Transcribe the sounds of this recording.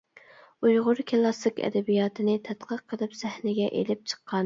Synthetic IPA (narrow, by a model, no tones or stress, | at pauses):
ujʁʊɾkʰʲelˠɑsɨkʲɛ̰d̪ɛbijɑːt̪ʰɨnɪt̪ʰɛt̪qʰəqʰːəlˠɨpsɛhnɪɡʲɛʔḛlɪp̚t͡ʃʰə̥qʰːɑn